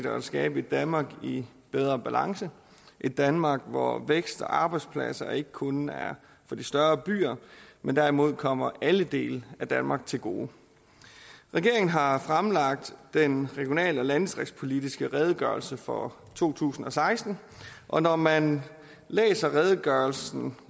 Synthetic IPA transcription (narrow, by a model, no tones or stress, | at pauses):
d̥ɐæsɡ̥ɛːb̥əe̝d̥ænmɑ̈ːɡ̥i | b̥eð̞ˠʁɐb̥ælɑ̈ŋsə | ʔe̝d̥ːænmɑ̈ːɡ̥ʋɒ̰ʋeɡ̥sd̥ɒ̽ʔɑ̈ːb̥ɑ̈ɪd̥spʰlæ̰sɐe̝ɡ̥ə̥kʰɔ̽næɐ | fɒ̽d̥isd̥ɶɐb̥y̰ːɐmend̥æɐimo̝ð̞̰ˠkʰɒ̽m̰ɐʔæləd̥e̝̰ːləæd̥ænmɑ̈ːɡ̥̚t͡sʰe̝lɡ̥o̝̰ː | ʁɛɡ̥e̝ɐ̰eŋn̩ɦɑ̈fʁamlɑ̈ɡ̥̚d̥d̥enʁɛɡ̥jo̝nɛ̰ːləɒ̽lænsd̥ʁɛɡ̥spʰo̝lidisɡ̥əʁɛð̞ˠɡ̥ɶɐlsəfɒ̽ | t͡sʰo̝̰ːt͡sʰṵːsn̩ɒ̽sɑ̈ɪsd̥n̩ | ʔɒ̽nɒmæn | lḛːsɐʁɛð̞ˠɡ̥ɶɐl̩sn̩